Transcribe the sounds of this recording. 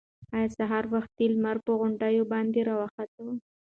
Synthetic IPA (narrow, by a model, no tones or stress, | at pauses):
ɑjɑsaɦɑɾwaxt̪̚elmaɾpəɣʊɳɖajobɑnd̪eɾɑwɑxat̪awu